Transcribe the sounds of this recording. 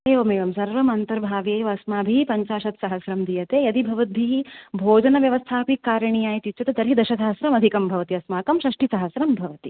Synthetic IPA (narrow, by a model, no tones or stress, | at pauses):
eːʋɐmeːʋɐmsɐɾʋɐmɐnt̪ɐɾbʱaːʋeːʋɐɐsmaːbʱipɐɲt͡ʃaːʃɐt̪sɐɦɐsɾɐmd̪ijɐt̪eːɐd̪ibʱɐʋɐt̪̚bʱiibʱoːd͡ʒɐnɐʋjɐʋɐst̪ʰaːpikːaːɾɐɳijaːjit̪it͡ʃʰːɐt̪ed̪ɐɾɦid̪ɐʃɐsɐɦɐsɾɐmɐd̪ʱikɐmbʱɐʋɐt̪iɐsmaːkɐmʃɾɐʂʈisɐɦɐsɾɐmbʱɐʋɐt̪i